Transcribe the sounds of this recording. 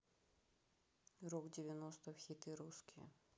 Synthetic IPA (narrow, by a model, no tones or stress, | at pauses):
rokdʲɪvʲɪnost̪əfxʲit̪ɨɾuskʲɪjə̰